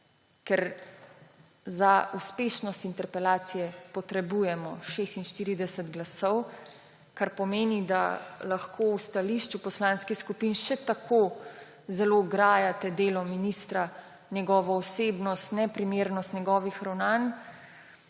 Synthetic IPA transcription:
kɛɾ | zauspeːʃnɔst̪int̪ɛɾpɛlaːt̪sijɛpɔt̪ɾɛbuːjɛmɔʃest̪inʃt̪iːɾid̪ɛsɛt̪ɡlasɔw | kaɾpɔmeːnid̪a̰laxkʰoːwst̪aliʃt͡ʃupɔslãːnskiskupinʃɛt̪akʰo | zɛloɡɾaːjat̪ɛd̪eːlɔminist̪ɾa | njɛɡɔːʋɔːseːbnɔst̪nɛpɾimeːɾnɔst̪njɛɡɔːʋixɾawnaːn

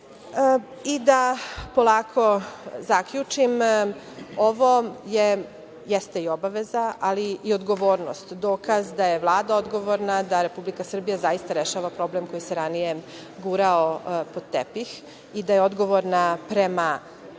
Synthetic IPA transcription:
id̪apo̞lˠaːkʰo̞zakʎut͡ʃim | oʋo̞je | jest̪eiobaʋezaaliiod̪ɡo̞ʋo̞ːɾnost̪d̪oːkazd̪aje̞ʋlˠaːd̪ao̞d̪ɡo̞ʋo̞ɾnad̪aɾe̞publikasr̩bijazajist̪aɾeʃaːʋapɾo̞ble̞mko̞jiseɾanije | ɡuɾaopot̪ːepix | id̪ajeo̞d̪ɡo̞ʋoɾnapɾema

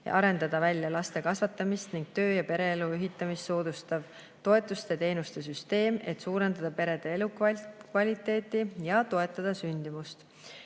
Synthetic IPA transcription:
j̰ʔɑɾe̞nd̪ɑd̪̥ɑvælʲjɑlɑst̪e̞kɑsvɑt̪ːˑɑmist̪niŋɡ̥̚t̪ø̞ːjɑpe̞ɾe̞eluyɦit̪ːˑɑmisːo̞ːd̪̥ust̪ɑv | t̪o̞e̞t̪ːˑust̪e̞t̪e̞jnust̪e̞s̬yst̪e̞ːme̞t̪suːɾe̞nd̪̥ɑd̪̥ɑpe̞ɾe̞d̪̥eelukkvɑlʲit̪ːˑe̞ːt̪ːˑijɑt̪o̞e̞t̪ːˑɑd̪̥ɑsynʲd̪̥imust̪

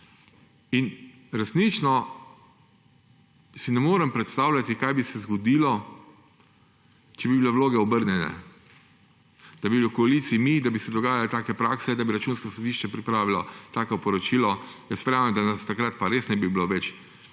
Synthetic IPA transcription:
in | ɾɛsnit͡ʃnɔ | sinɛmoːɾɛmpɾɛt̪st̪aːwlʲat̪ikajbisɛzɡɔd̪ilɔ | t͡ʃɛbibilɛʋwloːɡɛɔbəɾnʲɛnɛ̰ | d̪̥abibilokɔaliːt̪siimid̪abisɛd̪ɔɡaːjalit̪aːkɛpɾaːksɛd̪abiɾat͡ʃuːnskɔsɔd̪iʃt͡ʃɛpɾipɾaːʋilɔt̪aːkɔpɔɾɔt͡ʃiːlɔjɛst̪ʋɾjaːʋɛmd̪anast̪akɾat̪̚paɾeːsnɛbibiloʋɛt͡ʃ

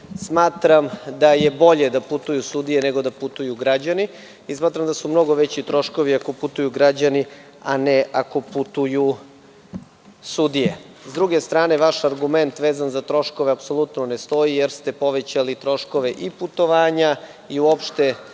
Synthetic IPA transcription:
smaːt̪ɾamd̪ajebo̞ʎe̞d̪aput̪ujusud̪ije̞neɡod̪aput̪ujuɡɾad͡ʑani | ismaːt̪ɾamd̪asumno̞ɡo̞ʋet͡ɕit̪ɾo̞ʃko̞ʋiako̞put̪ujuɡɾad͡ʑani | aneʔako̞put̪uju | sud̪ije | zd̪ɾuɡe̞st̪ɾaːne̞ʋaʃaɾɡume̞nt̪ʋeːzanzat̪ɾo̞ʃkoʋeapso̞lˠut̪nonest̪o̞ijeɾst̪e̞po̞ʋet͡ɕalit̪ɾo̞ʃko̞ʋe̞ʔiput̪o̞ʋaːɲa | iuo̞pʃt̪e̞

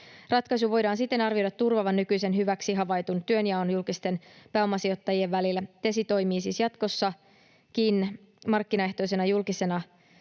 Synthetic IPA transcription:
rɑt̪kɑjsuʋo̞jdɑːnsit̪ːe̞nɑrʋio̞jdɑt̪ːurʋɑʋɑnːykyjse̞nɦyʋæksiɦɑʋɑjt̪unt̪yø̞njɑonjulkist̪e̞npæːo̞mːɑsiot̪ːɑjie̞ʋːælilːæt̪esit̪o̞jmiːsiːsjɑt̪ko̞sːɑ | kin | mɑrkːinɑe̞ht̪o̞js̬e̞nɑjulkise̞nɑ

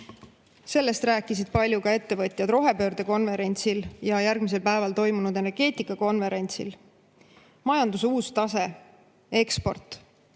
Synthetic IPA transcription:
se̞lːe̞st̪ɾæːkːˑisid̪̥̚pɑlʲjukɑe̞t̪ːe̞vɤt̪ʲˑjɑd̪ro̞ɦe̞pø̞ːɾd̪̥e̞ko̞nve̞ɾe̞nʲt̪siljɑjærɡ̥mise̞lpæe̞vɑlt̪o̞jmunud̪̥e̞ne̞rɡ̥e̞ːt̪ˑikːɑko̞nve̞ɾe̞nʲt̪sḭl | mɑjɑnd̪usuːst̪ɑse̞ | e̞kspo̞̰rt̪ˑ

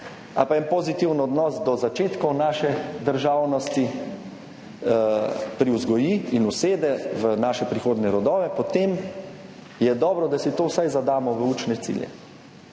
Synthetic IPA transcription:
a̰paɛnpɔzit̪iwnɔd̪nɔːsd̪ɔzat͡ʃeːt̪kɔnaːʃɛd̪əɾʒawnɔst̪i | pɾiwzɡɔjiːinuseːd̪ɛʋənaːʃɛpɾixoːd̪nɛɾɔd̪ɔːʋɛpɔt̪em | jɛd̪ɔːbɾɔd̪asit̪oːwsajzad̪aːmɔʋəuːt͡ʃnɛt̪sḭːljɛ̰

